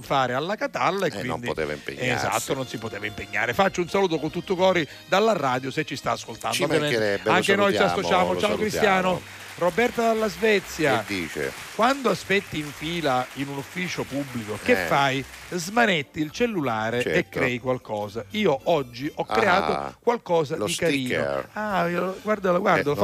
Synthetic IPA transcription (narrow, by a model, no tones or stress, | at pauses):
ɱfaːɾealːakat̪alːaekːwid̪iḛv̰mpːza̰t̪ːononsipot̪eːvaimpeɲːa̰ːɾefat͡ʃːiunsaluːt̪̬okont̪ut̪ːukɔːɾi | d̪alːaraːd̪joset͡ʃːist̪a̰ːskolt̪a̰nd̪ovjmeɛaŋkenoj̪iasːot͡ʃaːmot͡ʃaːokɾist̪jaːno | robɛrt̪ad̪alːazvɛt̪sːjad̪it͡ʃḛ | kwand̪oaspɛt̪ːiːɱfiːlainunufːiːt͡ʃopubːlikokefːajzmanet̪ːiilt͡ʃelːulaːɾeekːɾɛjkwalkɔːzaiːoʔɔd͡ʒːiʔɔkːɾeaːt̪okwalkɔːzad̪ikaɾiːno̰aioɡward̪aloɡward̪o